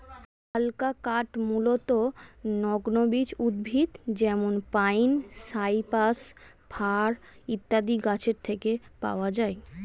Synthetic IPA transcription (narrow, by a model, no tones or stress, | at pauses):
alkakaʈmulot̪onɔɡnobid͡ʑud̪̚bʱit̪d͡ʑɛmonpajnsajpas | bʰʱaɾ | it̪ːad̪iɡat͡ɕʰeɾt̪ʰekepa̰oad͡ʑae